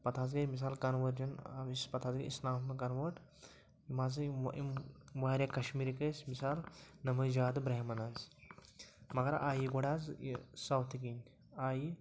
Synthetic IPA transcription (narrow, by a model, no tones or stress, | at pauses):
pɐt̪ʰaːzɡemis̬aːlkɐnʋɐɾd͡ʒɐnispɐt̪ʰaːzɡiḭslaːfmekɐnʋəʈ | imaːziʋaːɾʲjakɐʃmiːɾikɐsmisaːlnɐmɐjd͡ʒaːd̪ɨbɾɐɦmɐnaːz | mɐɡɐɾa̰ːjiɡoɽaːzḭsɐwt̪ʰikiŋɡ | aːji